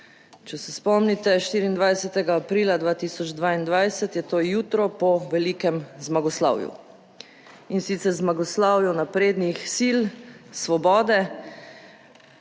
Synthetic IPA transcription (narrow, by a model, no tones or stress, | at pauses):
t͡ʃɛsɛspɔmnit̪ɛʃt̪iːɾiːnd̪ʋajsɛt̪ɛɡaːpɾiːlad̪ʋaːt̪iːsɔd͡ʒd̪ʋaːind̪ʋajsɛt̪jɛt̪oːjuːt̪ɾɔpɔʋɛliːkɛmzmaɡɔsla̰ːwjṵ | insit̪sɛɾzmaɡɔslaːwjɔnapɾeːd̪nixsilsʋɔbɔːd̪ɛ